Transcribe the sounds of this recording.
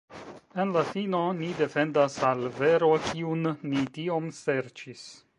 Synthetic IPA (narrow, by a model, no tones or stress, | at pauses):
e̞nlafino̞nide̞fe̞ndasalve̞ɾo̞kʰiunːitio̞mse̞ɾt͡ʃis